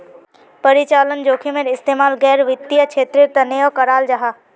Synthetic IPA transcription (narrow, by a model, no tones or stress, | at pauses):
pəɾɪt͡ʃaːlənd͡ʒoːkʰimeɾɪst̪eːmaːlɡɛːɾʋɪt̪ːijəkt͡ʃʰeːt̪ɾeɾt̪ɐnejokɐɾaːld͡ʒaɦaː